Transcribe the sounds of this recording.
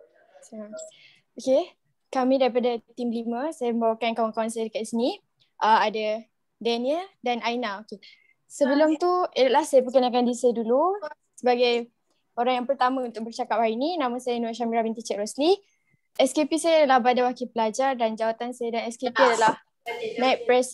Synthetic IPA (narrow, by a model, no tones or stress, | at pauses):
s | oke | kamĩdaɾipadat̪imliməsajaməmbawakankawaŋkawansajadəkat̪isəni | ʔəmada | dɛniədanajnaoke | səbəlʊmt̪uadalahsajəpəkənakandisajdulu | səbaɡaj | oɾaŋjaŋpərt̪amãunt̪ʊk̚bərt͡ʃakap̚haɾininãmãsajanuaʔʃamiɾabint̪it͡ʃɛʔɾɔsli | ɛskepisajadalahbadawakipəlad͡ʒardand͡ʒawat̪ansajadanɛskepiadalah | nait̪̚pɾɛs